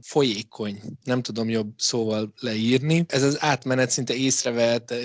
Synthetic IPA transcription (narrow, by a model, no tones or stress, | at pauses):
fo̞jeːkʰo̞ɲnɛmt̪ud̪o̞mjo̞bsoːvɒllɛiːrniɛzɒzaːt̪mɛnɛt̪sint̪ɛeːsrɛvɛt̪